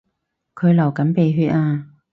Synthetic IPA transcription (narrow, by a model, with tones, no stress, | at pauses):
kʰɵ˨˧ɥlɐ˨˩wkɐ˨˥npe˨˧jɦyː˧t̚ʔaː˧